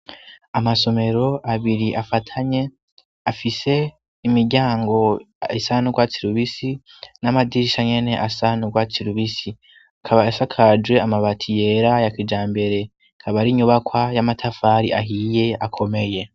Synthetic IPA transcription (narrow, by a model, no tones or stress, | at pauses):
amaso̞me̞ɾo̞aβiɾiʔafatʰaɲe̞ | afise̞ | imiɡɟaːŋɡo̞ | esanuɡwat͡siɾuβisi | namadiiʃaɲe̞ne̞ʔasanuɡwat͡siɾuβisi | akʰaβaafakʰad͡ʒwe̞amaβatʰije̞ɾajakid͡ʒaːmbe̞ɾe̞ | kʰaβaɾiɲuβakwajamatʰafaːɾiʔaɦije̞akʰo̞me̞je̞